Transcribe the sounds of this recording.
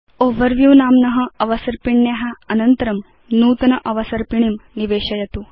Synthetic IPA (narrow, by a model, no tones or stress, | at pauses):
oʋɐɾʋjuʋnaːmnɐɦɐɐʋɐsɐɾpiɳːjaɦaɐnɐnt̪ɐɾɐm | nuːt̪ɐnɐʔɐʋɐsɐɾpiɳ̃imniʋeːɕɐjɐt̪uː